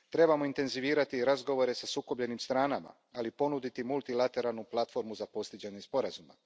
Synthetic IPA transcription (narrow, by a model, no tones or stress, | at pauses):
t̪ɾe̞bamo̞int̪e̞nziʋiːɾat̪iɾazɡo̞ʋo̞ɾe̞sasuːko̞bʎe̞nimst̪ɾaːnama̰ | alipo̞nud̪it̪imulˠt̪ilat̪e̞ɾalˠnuplˠat̪fo̞ɾmuzapo̞st̪id͡ʑaɲe̞spo̞ɾazuma̰